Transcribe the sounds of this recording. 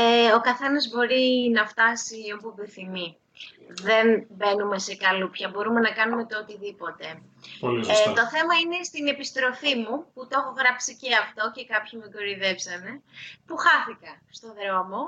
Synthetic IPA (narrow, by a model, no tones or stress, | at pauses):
eo̞kɐθe̞nɐzbo̞ɾinɐft̪ɐsiopobiθimi | ðe̞nbe̞nume̞se̞kɐlupçɐbo̞ɾume̞nɐkɐnume̞t̪oot̪iðipo̞t̪e̞ | t̪o̞θe̞mɐine̞st̪ine̞pist̪ɾo̞fimuput̪oxoɣɾɐpsiceɐft̪o̞cekɐpçimukoɾiðe̞psɐne̞puxɐθikɐst̪o̞ðɾeomo